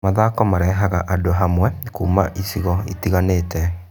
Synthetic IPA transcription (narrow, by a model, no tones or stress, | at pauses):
maðaːkɔmaɾɛɦaɣa̰ʔadoɦamwɛkuːmaʔisiɣɔitiɣaneːtɛ